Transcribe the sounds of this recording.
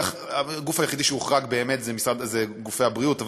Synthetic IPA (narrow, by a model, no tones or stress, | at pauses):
χ | aɡufajeχid̪iʃeuχʁaɡbeːme̞tzemisʁad̪zeɡufe̞jabʁiutav